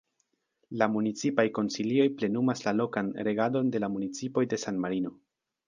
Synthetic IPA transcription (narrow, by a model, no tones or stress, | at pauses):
lamunit͡sipajko̞nsilio̞jple̞numaslalo̞kanɾe̞ɡado̞nde̞lamunit͡sipo̞jde̞sanmaɾino̞